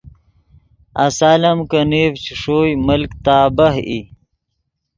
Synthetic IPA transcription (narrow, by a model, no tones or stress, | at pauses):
a̰saːlɐmkəneːvt͡ɕʰiʂoːjməlkt̪aːbɐɦḭ